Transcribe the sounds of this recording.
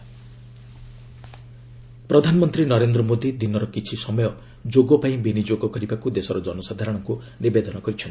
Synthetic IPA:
pɾɔd̪ʱanɔmɔnt̪ɾinɔɾend̪ɾɔmod̪id̪inɔɾɔkit͡ʃʰisɔmɔjɔ | d͡ʒoɡɔpaĩbinid͡ʒoɡɔkɔɾibakud̪esɔɾɔd͡ʒɔnɔsad̪ʱaɾɔɽ̃ɔŋku | nibed̪ɔnɔkɔɾit͡ʃʰɔn

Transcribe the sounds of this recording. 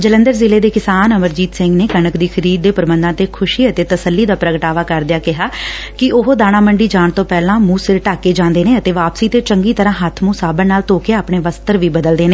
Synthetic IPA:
d͡ʒələ̃nd̪əɾzɪleːd̪eːkɪsaːnəməɾd͡ʒiːt̪sɪ̃ŋɡneːkənəkd̪iːkʰəɾiːd̪̚ːeːpəɾbənd̪ãːt̪eːkʰʊʃiːət̪eːt̪əsəlːiːd̪aːpɾəɡʈaːʋaːkəɾd̪ejaːkɪɦaː | kɪʊɦoːd̪aːɽ̃aːməɳɖiːd͡ʒaːɳt̪õːpɛːlãːmũːsɪɾʈaːkeːd͡ʒãːnd̪eːneːət̪eːʋaːpsiːt̪eːt͡ʃəŋɡiːt̪əɾãːɦət̪ʰmũːsaːbənnaːlt̪oːkeːaːpɳeːʋəst̪əɾʋiːbəd̪əld̪eːneː

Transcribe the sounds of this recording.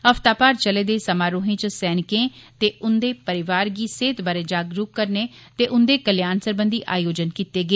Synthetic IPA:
əpʰt̪aːpaːɾt͡ʃəleːd̪eːsəmaːɾoːɦẽːt͡ʃəsɛːnɪkẽːt̪eːʊnd̪eːpəɾɪʋaːɾɡiːseːt̪baːɾeːd͡ʒaːɡɾukkːəɾneːt̪eːʔʊnd̪eːkəljaːnsəɾbənd̪iːʔaːjoːd͡ʒənkiːt̪eːɡəeː

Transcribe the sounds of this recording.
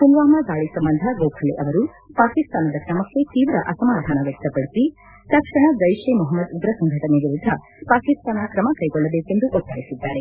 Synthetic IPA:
punʋaːmɐɡ̪aːɭisɐmbɐnd̪ʱɐɡoːkʰɐleʔɐʋɐɾu | paːkist̪aːnɐd̪ɐkɾɐmɐkːet̪iːʋɾɐʔɐsɐmaːd̪ʱaːnɐʋek̚t̪ɐpɐɽisi | t̪ɐkʂɐɽ̃ɐd͡ʒɐjʃemɔɦɐmːɐd̪ud̪ɾɐsɐŋɡʱɐʈɐneɡiɾud̪ʱɐ | paːkist̪aːnɐkɾɐmɐkɐjɡɔɭːɐb̪eːkend̪uʔɔt̪ːaːjisud̪ːaːɾe

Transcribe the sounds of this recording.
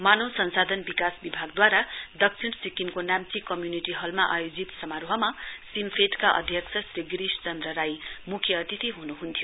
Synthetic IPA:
manowsʌnsad̪ʱʌnbikasbibʱaɡd̪waɾad̪ʌksʰinsikimkonamt͡sikʌmjuniʈiɦʌlmaʔajod͡zit̪sʌmaɾoɦʌmasimpʰeʈkaʔʌ̰d̪ʱjʌksʰʌsriɡɾist͡sʌnd̪rʌɾajmukʰjʌːt̪it̪iɦunuɦunt̪ʰijo

